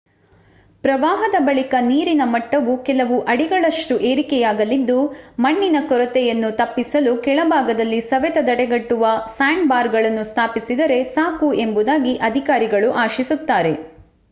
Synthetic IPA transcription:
pɾɐʋaːɦɐd̪ɐbɐɭikɐniːɾinɐmɐʈːɐʋukɛlɐʋuʔɐɽiɡɐɭɐʂʈuʔe̞ːɾikɛjaːɡɐlid̪ːumɐɳːinɐkɔɾɐt̪ɛjɐnːut̪ɐpːisɐlukɛɭɐbʱaːɡɐd̪ɐlːisɐʋɛt̪ɐd̪ɐɽɛɡɐʈːuʋɐsaːɳbaːɾɡɐɭɐnːust̪ʰaːpisid̪ɐɾe̞saːkue̞mbud̪aːɡiʔɐd̪ʱikaːɾiɡɐɭuʔaːʃisut̪ːaːɾe̞

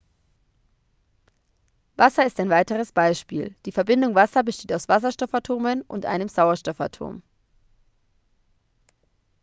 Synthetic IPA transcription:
vasɐɪstaɪnvaɪtəʁ̞əsb̥aɪʃpḭːld̥iːfɛɐbɪndʊŋvasɐbəʃteːtaʊsv̥asɐʃtɔfatʰoːmənʔʊ̰ntʔa̰ɪnəmzaʊɐʃtɔfa̰tʰo̰ːm

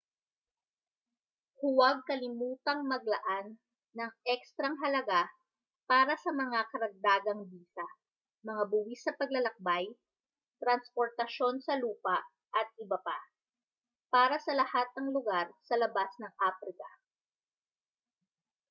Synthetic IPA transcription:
hʊwɐɡ̚kɐlɪmuːt̪ɐŋmɐɡ̚lɐʔanː | ɐŋʔɛkst̪ɾɐŋɦɐlɐɡa | paːɾɐsɐmɐŋakɐɾɐɡ̚d̪aːɡɐŋbiːsɐ | mɐŋabʊwisɐpɐɡlɐlɐk̚baj | t̪ɾɐnspoɾt̪ɐʃo̞nsɐluːpɐʔ | ʔɐt̪̚ʔɪbɐpa | paːɾɐsɐlɐhat̪̚nɐŋlʊɡaɾsɐlɐbasnɐŋʔaːfɾɪkɐ

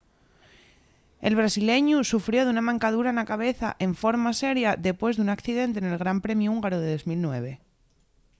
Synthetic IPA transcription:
e̞lβ̞ɾasile̞ɲusufɾjo̞ðunamãŋkað̞uɾanakaβ̞e̞θa̰ʔe̞ɱfoɾmase̞ɾjaðe̞pwe̞zðunakθiðe̞nt̪̬ene̞lɣ̞ɾampɾe̞mjuuŋɡaɾoðeðo̞zmilnwe̞β̞e̞

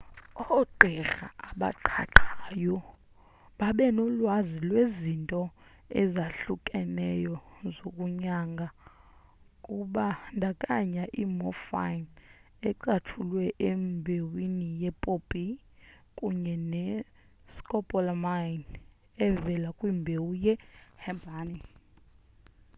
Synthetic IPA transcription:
ɔǃʱɛɣa̰aɓa̰ǃʰa̰ǃʰaːjɔ | ɓaɓɛnɔlwazilwezintʼɔ | ɛzaɬukʼɛnɛjɔzokʼuɲaŋɡʱa | kʼuɓandʱakʼaɲaʔimɔfa̰n | ɛǀatʰulwɛʔembʱewinijɛpʼopʼi | kʼuɲɛnɛ | skʼɔpʼɔlmajn | ɛvɛlakʼwimbʱewujɛhɛmbʱaːni

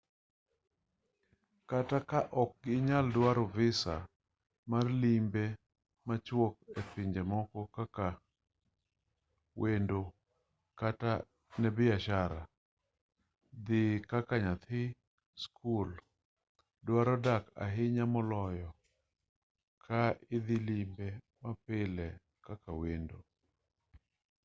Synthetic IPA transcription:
katakaʔɔk̚ɡɪɲaldwaɾɔvɪsa̰ | marlimbe | mat͡ʃwok̚epɪɲd͡ʒemɔkɔkaka | wʔendo | kata | nɛbɪaʃaɾa̰ | d̪ɪkakaɲat̪ʰɪ | skʰul | dwaɾɔdaka̰ɦɪɲamɔlɔjɔ | kʰaɪd̪ɪlimbe | mapɪlɛ | kakawendo

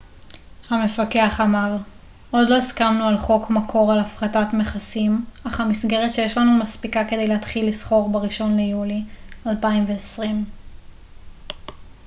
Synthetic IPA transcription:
hame̞fakeaχamaʁ | ʔo̞dlo̞iskamnualχo̞kmakʰo̞ʁalafʁatatmeχasimaχhamisɡe̞ʁetʃejeʃlanumaspikaked̪ejleɦatχilːisχo̞ʁbaʁiʃo̞nlejulialpaimveesʁim

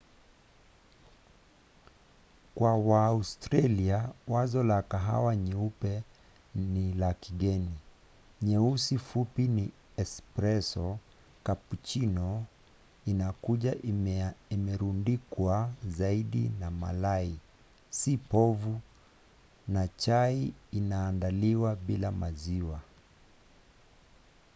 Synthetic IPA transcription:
kwawaustɾaliawazɔlakaɦa̰waɲɛupɛ | nilakiɠɛni | ɲɛusifupini | ɛspɾɛsɔ | kaput͡ʃinɔ | inakuʄaʔimɛɾundikwazaiɗḭnama̰lai | sipɔvu | nat͡ʃaiinaːndaliwaɓilamaziwa

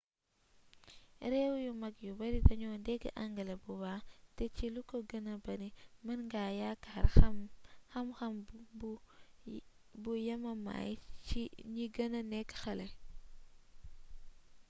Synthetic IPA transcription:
ɾɛwjumɐɡjubɐɾidɐɲɔːndɛɡ̰ʔaŋɡɐlɐbubaːtɛt͡ʃilukoɡɐnɐbɐnimɐnŋɡajakaːɾɐxɐmxɐmb | bujɐmɐma̰jt͡ʃiɲiɡɐnɐnɛkːxɐlɐ

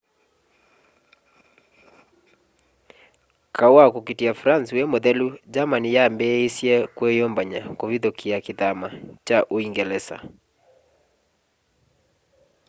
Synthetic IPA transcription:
kawakukitiafɾansiwɛmɔðɛlud͡ʒamanijambɛisiɛkwɛjɔmbaɲakɔviðɔkʰiakiðamat͡ʃaʔuiŋɡɛlɛsa̰

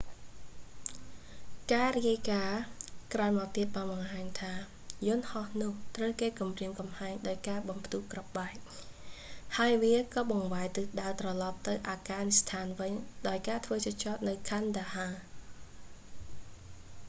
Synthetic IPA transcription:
kaːriəjkaːkraənmat̪iət̪̚ɓaːnɓɑŋɦaːɲt̪ʰaː | jʊ̆ənhɑhnʊ̆əht̪rəwkeːkumriəŋkɑmhaɛŋɗaɔjkaːɓɑmpʰt̪uhkrɑp̚ɓaɛk̚ | haəjʋiəkɑːɓɑŋʋaɛjt̪ɨɗaət̪rɑlɑp̚t̪ɨwʔaːkaːnist̪ʰaːnʋɨɲɗaɔjkaːt̪ʰʋəːt͡ɕot͡ɕɑːt̪̚nɨwkʰand̪aːhaː

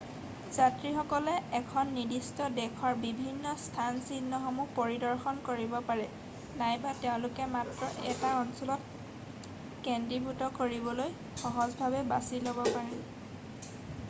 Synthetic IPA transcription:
z̥atɹixɔkɔlɛɛkʰɔnːidistɔdɛkʰwaɹbibʱinːɔstʰansidnːɔxɔmupoɹidɔɹxɔnkoɹibɔpaɹɛ | najbatɛʊ̃lʊkɛmatɹɔʔɛtaɔnsɔlɔt | kɛndɹibʱutɔkoɹibɔloj | xɔɦɔzbʱabɛba̰silobɔpaɹɛ

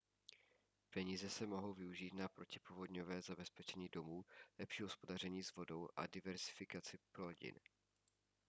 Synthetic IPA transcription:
pɛɲiːzɛsɛmo̞ɦo̞wvɪuʒiːt̪napɾo̞cɪ̥povodɲo̞vɛːzabɛspɛt͡ʃɛɲiːdo̞muːlɛpʃiːɦospo̞dar̝ɛɲiːzvo̞do̞wʔa̰dɪvɛɾzɪfɪkat͡sɪpɾoɟɪ̰n

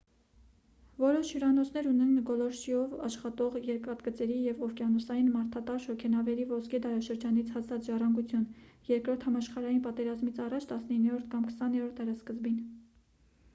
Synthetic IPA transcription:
vɔɾɔʃhəɾɑnɔt͡sʰnɛɾunɛnɡɔlɔɾʃiɔvɑʃχɑt̪ɔʁjɛɾkɑt̪ɡət͡sɛɾijɛvɔfkjɑnɔsɑjinmɑɾt̪ʰɑt̪ɑɾʃɔkʰɛnɑvɛɾivɔskʰɛd̪ɑɾɑʃəɾd͡ʒɑnit͡sʰhɑt͡sʰɑt͡sʒɑrɑŋɡut͡sʰjunjɛɾkɾɔɾt̪ʰhɑmɑʃχɑɾɑjinpɑt̪ɛɾɑzmit͡sʰɑrɑt͡ʃʰt̪ɑsnəinːɛɾɔɾt̪ʰkɑmkʰə̥sɑnɛɾɔɾt̪̚d̪ɛɾɑskəzbin

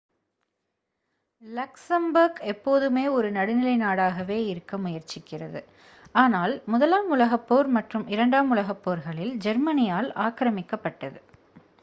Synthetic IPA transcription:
lɐksɐmbɐɾɣɛpːoːðɯmeːɔɾɯnɐɽɯnɪlɐɪnaːɽaːɣɐʋeːɪɾɯkːɐmʊjɐɾt͡ʃɪkːɪrɐ̰ðɯ | aːnaːlmʊðɐlaːmʊlɐɣɐpːoːɾmɐʈrɯmɪɾɐɳɖaːmʊlɐɣɐpːoːɾɣɐɭɪld͡ʒɐɾmɐnɪjaːlaːkɾɐmɪkːɐpːɐʈːɐðɯ

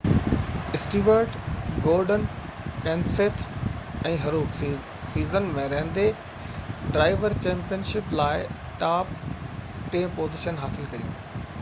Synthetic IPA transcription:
ɪsʈiːʋəɾɖɡoːɾɖən | kɛ̃ːnseːt̪ʰɛ̃ːɦɐɾuːk | siːzənmẽɾɐɦə̃nd̪e | ɖɾaːɪʋəɾt͡ɕɛ̃ːmpijənʃɪplaːɪ | ʈaːp̚ | ʈẽːpoːzɪʃənɦaːsɪlkɐɾijṵ̃ː

